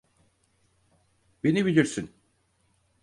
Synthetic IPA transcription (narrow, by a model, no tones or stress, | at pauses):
be̞nibilʲiɾsin